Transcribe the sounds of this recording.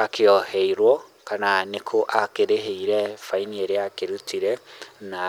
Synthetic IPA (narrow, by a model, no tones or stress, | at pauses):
akʰeɔhɛiɾwɔkananekʰoʔakeɾeɦeiɾɛfainieɾeakeɾutʰiɾɛna